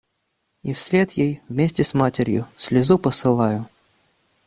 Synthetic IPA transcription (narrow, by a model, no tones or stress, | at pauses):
ifsʲlʲet̪jejvmʲesʲtʲɪsmatʲɪɾʲjʊ̰sʲlʲɪzupəsɨlˠajʊ